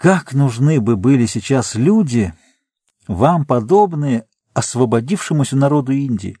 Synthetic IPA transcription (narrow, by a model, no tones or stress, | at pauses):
kaknʊʐnɨbɨbɨlʲɪsʲɪt͡ɕaslʲudʲɪ | vampɐd̪o̞bnɨjə | ɐsvəbɐdʲifʂɨmʊsʲənɐɾo̞d̪ʊinʲdʲɪ̰ɪ̰